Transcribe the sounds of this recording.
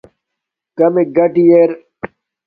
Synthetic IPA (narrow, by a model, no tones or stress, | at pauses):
kɐmeɡɐʈijeɾ